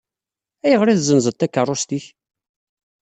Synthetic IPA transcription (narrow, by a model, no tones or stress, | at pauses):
æjəʁɾiðzənzət̪ːækːərˤːʊst̪iç